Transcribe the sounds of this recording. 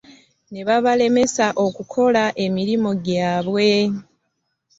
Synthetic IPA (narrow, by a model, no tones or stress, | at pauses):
ne̞βaβale̞me̞saʔo̞kukʰo̞laʔe̞miɾimo̞ɟaːβwe̞